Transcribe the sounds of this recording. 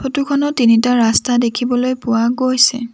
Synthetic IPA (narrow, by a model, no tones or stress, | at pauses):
pʰotukʰɔnɔtːinitaɹastadekʰibɔlojpʊwaɡojsɛ̰